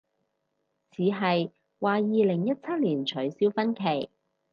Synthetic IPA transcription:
t͡sʰiː˨˧ɦɐ˨j | waː˨˧jiː˨lɪ˨˩ŋjɐ˥t̚t͡sʰɐ˥t̚liː˨˩nt͡ʃʰɵ˨˥ɥsiː˥wfɐ˥nkʰe˨˩j

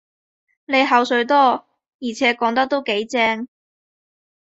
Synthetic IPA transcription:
ne˨˧jɦɐ˨wsɵ˨˧ɥt̪ɔː˥ | jiː˨˩t͡sʰɛː˨˥kɔː˨˥ŋt̪ɐ˥k̚t̪o˥wke˨˥jt͡sɛː˥ŋ

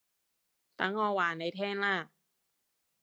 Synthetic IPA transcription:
t̪a˧˥ŋɔː˧waː˨˩na˧˩jt̪ʰɛː˥˩˨nlaː˧˥˩

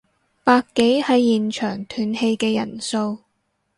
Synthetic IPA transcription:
paː˧kːe˨˥jhɐ˨˥jːiː˨˩nt͡ʃʰœː˨˩ŋt̪ʰyː˨nhe˧jkɛː˧jɐ˨˩nso˧w

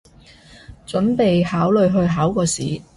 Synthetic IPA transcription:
t͡ʃɵ˨˥npe˨jhaː˨˥wlɵ˨˧ɥɦɵ˧ɥɦaː˨˥wkɔː˧siː˨˥

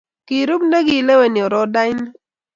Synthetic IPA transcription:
ki˨ɾu˦kne˦ɡi˨le˦we˨ni˨ɔ˨ɾɔ˦da˦jn˦

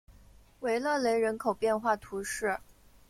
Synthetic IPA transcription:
we˧˥ɪlɤ˥˩le˧˥ɪɻə˧˥nkʰo˨˩ʊpjɛ˥˧nxwa˥˩t̪ʰu˧˥ʂɻ̩˥˩

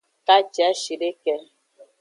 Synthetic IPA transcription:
ka˦t͡ʃɛ˨˦ʃi˨de˦kɛ˦

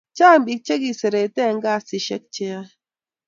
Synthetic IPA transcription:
t͡ʃa˦˨m˦bi˨k̚t͡ʃe˦ki˨se˨ɾe˨tɛ˦˨ŋ̩˦ɡa˦˨si˨ʃe˦k̚t͡ʃɛ˦a˦

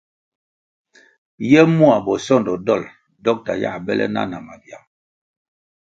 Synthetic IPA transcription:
jɛ˦mu˦a˨bɔ˨sɔ˦˨ndɔ˨dɔ˦˨l | dɔ˦k̚ta˨ja̰˦˨bɛ˦lʔɛ̰˦na̰˦na˨ma˨vja˨

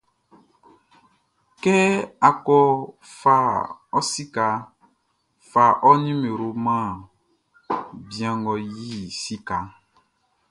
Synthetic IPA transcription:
kɛ˦a˨kɔ˦ | fa˨ɔ˦si˦ka˨ | fa˨ʔɔ˦nĩ˦me˨ɾo˨mã˦˨ | bi˨ã˨ŋɡɔ˨ji˦si˦ka˨

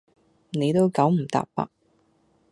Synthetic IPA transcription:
ne˨˧jt̪o˥wkɐ˨˥wm̩˨˩t̪a̰ː˨p̚pːɐ̰˨˥k̚

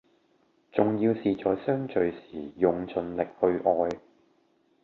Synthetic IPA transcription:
t͡sʊ˨ŋjiː˧wsiː˨t͡sɔː˨˧jsœː˥ŋt͡ʃɵ˨ɥsiː˨˩jʊ˨ŋt͡sʰɵ˨˧nlɪ˨k̚hɵ˧ɥʔɔː˧j

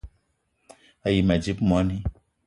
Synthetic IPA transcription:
a˨ji˨mɛ˨d͡ʒi˦pmu˨a˦ni˦

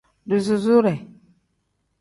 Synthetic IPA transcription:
du˨zu˨zu˦ɾɛ˨

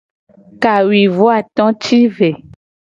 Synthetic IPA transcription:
ka˨wi˨vo˦a˨t̪ɔ̃˦t͡ʃi˦ve˨

